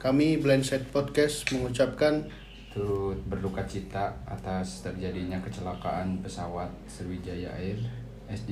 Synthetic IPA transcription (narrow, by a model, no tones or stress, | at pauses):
kamiblɛnsɛt̪̚pɔd̚kɛstməŋut͡ʃap̚kan | t̪ut̪̚bərlukat͡ʃit̪aa̰t̪ast̪ərd͡ʒadiɲakət͡ʃəlakaʔanpəsawat̪̚sərwid͡ʒajaa̰ɪr | ɛsd͡ʒ